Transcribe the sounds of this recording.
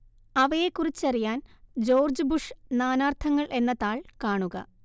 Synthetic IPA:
ɐʋɐjekːurit͡ɕːɐrijaːnd͡ʑo̞ːrd͡ʑɨbuʂnaːnaːrt̪ʰɐŋːɐɭʔe̞nːɐðaːɭkaːɳuɣɐ̰

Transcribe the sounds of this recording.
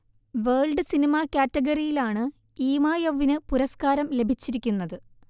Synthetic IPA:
ʋeːɭɖɨsinimakʲaːtːɐɡɐrijilaːɳɨ | iːmaːjɐʋinɨpuɾɐskaːɾɐmle̞bʱit͡ɕːiɾikʲːunːɐðɨ

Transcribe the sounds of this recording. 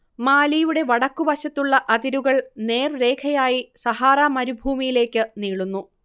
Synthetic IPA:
maːlijuɽe̞ʋɐɽɐkːubɐɕɐt̪ːuɭːɐʔɐd̪iɾuɣɐɭne̞ːrɾe̞ːkʰɐjaːjisɐhaːɾaːmɐɾubʱuːmijile̞ːkːɨniːɭunːu

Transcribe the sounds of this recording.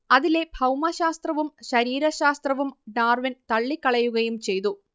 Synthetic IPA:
ɐðile̞bʱɐwmɐɕaːst̪rɐʋumɕɐɾiːɾɐɕaːst̪rɐʋumɖaːrʋɐnt̪ɐɭːikːɐɭɐjuɣɐjumt͡ɕe̞jt̪u

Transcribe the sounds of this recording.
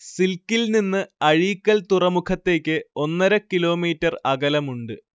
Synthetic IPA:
silkːilninːɨɐɻiːkʲːɐlt̪urɐmukʰɐt̪ːe̞ːkʲːɨo̞nːɐɾɐkilo̞ːmiːtːɐrɐɣɐlɐmuɳɖɨ

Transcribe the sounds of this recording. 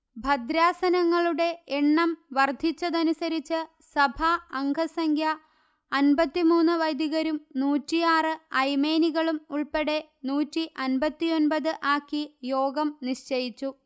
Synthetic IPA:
bʱɐd̪ɾaːsɐnɐŋːɐɭuɽe̞eɳːɐmʋɐrd̪ʱːit͡ɕːɐðɐnusɐɾit͡ɕːɨ | sɐbʱɐːŋɡʱɐsɐŋkʰjɐ | ɐnbɐt̪ːimuːnːɨʋɐjd̪iɣɐɾumnuːtːijaːrɨɐjme̞ːniɣɐɭumuɭpe̞ɽe̞nuːtːiʔɐnbɐt̪ːijo̞nbɐðɨʔaːkːijo̞ːɡɐmniʂt͡ɕejit͡ɕːu

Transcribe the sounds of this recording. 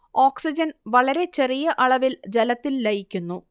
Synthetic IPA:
oːksid͡ʑɐnʋɐɭɐɾe̞t͡ɕe̞rijɐʔɐɭɐʋild͡ʑelɐt̪ːilːɐjikʲːunːu

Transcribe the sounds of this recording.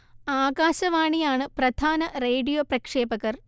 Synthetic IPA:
aːɡaːɕɐʋaːɳijaːɳɨprɐd̪ʱaːnɐreːɖijoːprɐkʂeːbɐɣɐr

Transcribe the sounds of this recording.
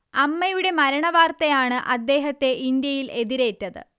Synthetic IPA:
ɐmːɐjuɽe̞mɐɾɐɳɐʋaːrt̪ɐjaːɳɨʔɐd̪ːe̞ːɦɐt̪ːe̞ʔind̪jɐjile̞ðiɾe̞ːtːɐðɨ̰

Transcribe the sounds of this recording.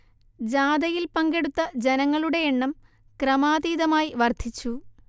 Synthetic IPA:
d͡ʑaːd̪ɐjilpɐŋɡe̞ɽut̪ːɐd͡ʑenɐŋːɐɭuɽe̞eɳːɐm | krɐmaːd̪iːðɐmaːjiʋɐrd̪ʱit͡ɕːu

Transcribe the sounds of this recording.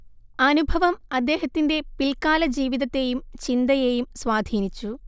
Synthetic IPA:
ɐnubʱɐʋɐmɐd̪ːe̞ːɦɐt̪ːinde̞pilkaːlɐd͡ʑiːʋiðɐt̪ːe̞jumt͡ɕind̪ɐjeːjumsʋaːd̪ʱiːnit͡ɕːu

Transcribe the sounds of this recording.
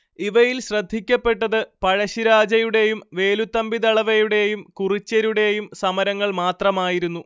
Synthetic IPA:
iʋɐjilɕrɐd̪ʱːikʲːɐpːe̞ʈːɐðɨpɐɻɐɕiɾaːd͡ʑɐjuɽe̞jumʋe̞ːlut̪ːɐmbiðɐɭɐʋɐjuɽe̞jumkurit͡ɕːɐɾuɽe̞jumsɐmɐɾɐŋːɐɭmaːt̪rɐmaːjiɾunːu

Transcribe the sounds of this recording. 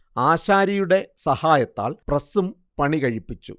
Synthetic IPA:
aːɕaːɾɐjuɽe̞sɐhaːjɐt̪ːa̰ːlprɐsum | pɐɳikɐɻipːit͡ɕːṵ

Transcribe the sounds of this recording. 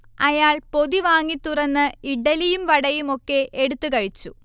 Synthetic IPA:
ɐjaːɭpo̞ðiʋaːŋːit̪ːurɐnːɨiɖɐlijumʋɐɽɐjumo̞kːe̞ʔeɽut̪ːukɐɻit͡ɕːu

